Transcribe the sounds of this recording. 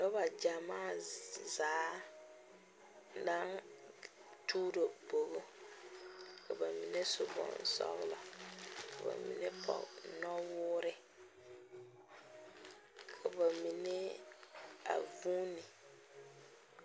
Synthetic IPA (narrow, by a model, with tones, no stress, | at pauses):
nɔ˦ba˨d͡ʒa˨maː˦˨zaː˨˦ | na˦n | tʰuː˦ɾo˨bo˨ɣo˦ | kʰa˨ba˨mi˨nɛ˦sʊ˨bɔ̰˨n˨sɔ̰˦ɣɪ˦lɔ̰˨ka˨ba̰˨mḭ˨nɛ˦pʰɔ̰˨nɔ˦wʊː˦ɾɪ˦ | kʰa˨ba˨mi˨nɛ˦ | a̰˨vuː˦ni˨